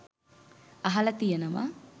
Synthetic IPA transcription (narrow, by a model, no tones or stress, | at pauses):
ɐɦɐlɐt̪ijɐnɐʋɐ̰